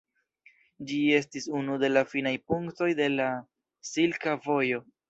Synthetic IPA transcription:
d͡ʒie̞s̬tisunude̞lafinajpuŋkto̞jde̞la | silkavo̞jo̞

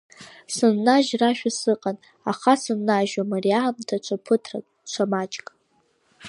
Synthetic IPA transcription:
sɨnːaʒraʃᶣasɨqʼan | aχasɨnːaʒamariamtʰat͡ʃʷʰapʰɨtʰra̰ | t͡ʃʷʰamat͡ʃʼkʼ

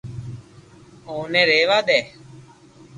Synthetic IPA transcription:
oːnẽːɾeːʋaːd̪ɛː

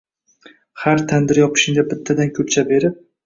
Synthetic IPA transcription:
haɾt̪ʰand̪ɪɾjɒpʰɪ̥ʃɪŋd̪abɪt̪ʰːad̪ankʲʰʊp̚t͡ʃʰabe̞ɾɪp̚

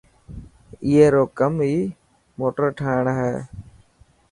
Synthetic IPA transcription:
iɦeːɾoːkəmɦiː | moːʈəɾʈʰaːɪɳɦɛː

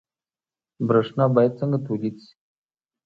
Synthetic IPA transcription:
bɾaʂnɑbajad̪̚t͡səŋɡat̪ulid̪si̥

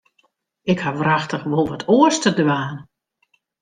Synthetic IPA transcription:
ɪkhaʋraxtəxʋolˠʋɔtʰoəstədʋaːn

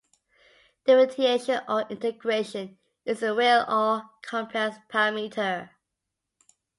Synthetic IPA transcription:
d̥ɪɹɪtʰieɪʃə̃nəɪ̃ntəɡɹeʃə̃n | ɪzəwɛlɔkʰɔ̃mpʰɹ̥ɛspʰaɹamitʰə

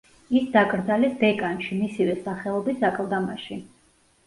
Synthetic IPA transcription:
isd̪akʼɾd̪zalɛsbɛkʼanʃimisivɛsaχɛlˠɔbisakʼlˠd̪amaʃi

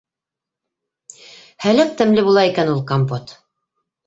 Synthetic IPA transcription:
hælæk̚t̪ɘ̆mlɘbulˠɑikænulˠkompot̪

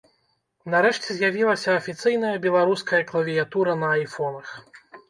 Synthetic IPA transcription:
nɐɾɛʂt͡sʲɛzʲjavʲilˠɐsʲɐɐfʲit̪sɨjn̪ɐjɐbʲɛlˠaɾuskɐjɐklˠɐvʲijat̪uɾɐnɐːjfɔnɐx

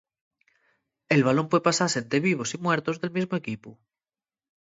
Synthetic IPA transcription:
e̞lβalõ̞mpwepasasent̪ɾe̞β̞iβ̞osimwe̞ɾt̪ozðe̞lmizmoe̞kipu

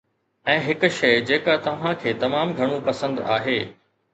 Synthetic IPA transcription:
ɛ̃ːɦɪkʊ̆ʃɐɪd͡ʑeːkat̪ɐʋ̤ãkʰeːt̪ɐmaːmɡʱɐɽ̃ũpɐsə̃nd̪a̰ːɦeː

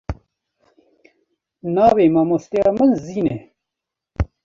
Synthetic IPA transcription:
nɑːweːmamost̪ijɑːmənziːne

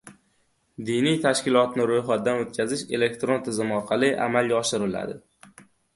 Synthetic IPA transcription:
d̪ijnijt̪ʰaʃkʲɪlˠɒt̪nɪɾojχɒt̪̚d̪anot̪̚kʲʰazɪʃe̞le̞k̚ʲt̪ɾo̞nt̪ʰɪzɪmɒɾqʰɑlˠɪʔa̰malˠɡʲaɒʃɪɾɪla̰d̪ɪ

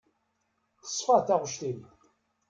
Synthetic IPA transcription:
θə̥sˤːfəθæʁʃt̪ini

